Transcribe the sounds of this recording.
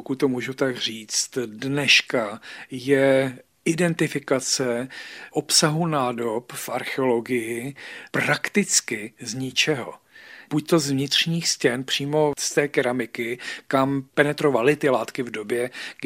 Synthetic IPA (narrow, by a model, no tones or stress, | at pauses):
pokut̪̚t̪omuːʒut̪aɡr̝iːt͡st̪dnɛʃkajɛ | ʔɪdɛnt̪ɪfɪkat͡sɛʔo̞psaɦunaːdo̞pfʔaɾxɛolo̞ɡɪjɪpɾakt̪ɪt͡skɪzɲɪt͡ʃɛɦo̰b̥uc̚t̪o̞zvɲɪt̪r̝̥ɲiːxscɛnpr̝̥iːmo̞st̪ɛːkɛɾamɪkɪkampɛnɛt̪ɾo̞valɪt̪ɪlaːt̪kɪvdo̞bjɛɡ